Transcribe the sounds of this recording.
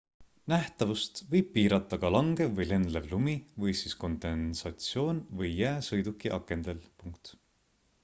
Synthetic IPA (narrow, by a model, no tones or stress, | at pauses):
næht̪ɑvust̪vɤjb̥̚piːɾɑt̪ːˑɑɡ̥ɑlɑŋɡ̥evɤjle̞nd̪levlumivɤjsisko̞nd̪̥e̞nsɑt̪sio̞ːnvɤjːæːsɤjd̪ukːiʔɑkːˑe̞nd̪e̞lpuŋkt̪